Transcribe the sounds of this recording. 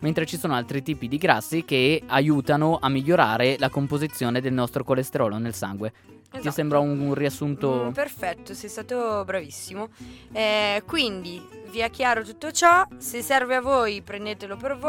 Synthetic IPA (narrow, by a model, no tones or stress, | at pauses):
ment̪ɾet͡ʃisoːnoalt̪ɾit̪iːpid̪iɡɾasːik̟eajuːt̪anoʔamːiʎːoɾaːɾelakompozit̪sːjoːned̪elnɔst̪ɾokolest̪eɾɔːlonelsa̰ŋɡwe | jsembɾaunuriasːunt̪operfɛt̪ːosɛjst̪aːt̪obɾavisːimoɛkwind̪iviɛkːjaːɾot̪ut̪ːot͡ʃɔsesːɛrveavːoːjpɾend̪eːt̪elopervo